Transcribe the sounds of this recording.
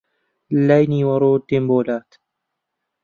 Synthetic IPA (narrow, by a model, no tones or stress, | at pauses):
lːajniːwɐɾoːt̪ːemboːlaːt̪